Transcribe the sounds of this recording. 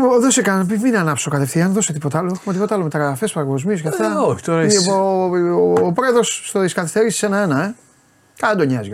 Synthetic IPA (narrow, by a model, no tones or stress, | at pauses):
ðosekɐnpivminɐnɐpsokɐt̪efθiɐnðoset̪ipot̪aloxumɐt̪ipot̪ɐlomet̪ɐɾɐfespɐɣozmioskɐft̪ɐoçi̥t̪oɾipoː | pɾeðosːt̪oðiskɐθisθeɾissenɐenɐe | kɐlɐd̪oɲɐzjo